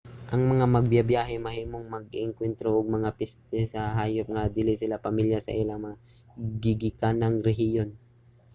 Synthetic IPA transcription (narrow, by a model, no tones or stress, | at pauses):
ʔɐŋmɐŋamɐɡ̚bjabjaːɦɛmɐhiːmoŋmɐɡɪŋkwɛnt̪ɾoʔoɡ̚mɐŋapɛst̪ɛsɐɦaːjop̚ŋad̪ɪlɪsɪlapɐmiljasɐ̰ʔɪlam | ɡɪɡɪkanɐŋɾɛɦɪjon